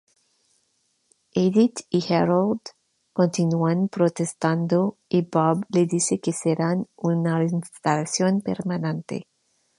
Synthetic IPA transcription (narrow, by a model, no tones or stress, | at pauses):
edit̪iheɾald̪ | kõnt̪inuanpɾot̪est̪and̪oibɔbleðisekeseɾanunainst̪alasjonpḛɾmanẽnt̪ḛ